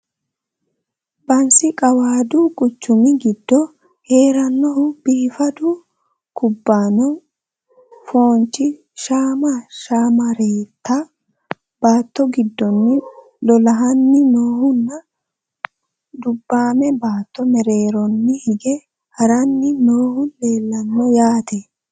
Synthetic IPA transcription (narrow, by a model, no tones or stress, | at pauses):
bɐnsɪkʼɐwaːd̪uːkʼʊt͡ʃːʊmɪɡɪd̪ːɔ | he̞ːɾɐnːɔɦʊb̥iːfɐd̪ʊ | kʊbːaːnɔ | foːnt͡ʃːɪ | ʃaːmɐʃaːmɐɾeːt̪ːɐ | b̥aːt̪ːɔɡɪd̪ːɔnːɪ | lɔlɐɦɐnːɪnoːhʊnːɐ | d̪ʊbːaːmɛbaːt̪ːɔmɛɾe̞ːɾɔnːɪhɪɡɛ | hɐɾɐnːɪnoːhʊnle̞ːlːɐnːɔjaːt̪e